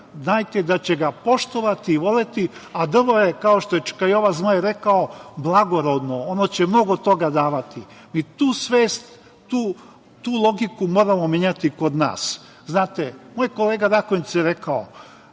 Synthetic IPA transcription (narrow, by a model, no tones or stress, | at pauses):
znaːjt̪ed̪at͡ɕeɡapo̞ʃt̪o̞ʋat̪iːʋo̞let̪iad̪r̩ʋojekaoʃt̪ojet͡ʃe̥kaio̞ʋazmajeɾe̞kaoblˠaɡo̞ɾo̞d̪noonot͡ɕemno̞ɡo̞t̪o̞ɡad̪aːʋat̪i | mit̪uːsʋeːst̪ː | uː | t̪uːlˠo̞ɡikumoːɾamomeɲat̪iko̞d̪na̰ːs | znaːt̪emo̞jko̞leːɡaɾakoɲit̪sjeɾe̞kao